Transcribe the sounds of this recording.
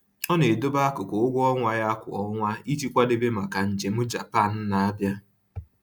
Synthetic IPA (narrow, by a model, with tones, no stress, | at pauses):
ɔ˦ne˨do˦ba˦a˦kʊ˨kʊ˨ʊ˦ɡʷʊ˦ɔ˦ŋʷa˨ja˦kʷʊ̰˨ɔ˦ŋʷa˦i˦t͡ʃi˦kʷa˦de˦be˦ma˨ka˨n̩˨d͡ʒe˨m̩˦d͡ʒa̰˨pa˦˨n̩˦na˨a˦bja˦